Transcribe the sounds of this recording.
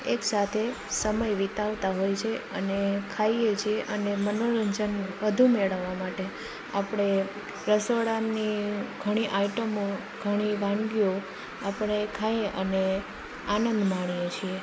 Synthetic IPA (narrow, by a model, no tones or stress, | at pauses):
eksat̪ʰe | səməjʋit̪aʋt̪aɦojt͡ʃʰeənekʰaijet͡ʃʰieʔənemənoɾəɲd͡ʒənʋəd̪ʱumeɭəʋːamaʈe | apɽ̃e | ɾəsoɽaiɡʱəɽ̃iʔaiʈəmõ | ɡʱəɽ̃iʋãŋɡio | apəɽ̃ekʰaeʔəne | anənd̪maɳ̃ijet͡ʃʰie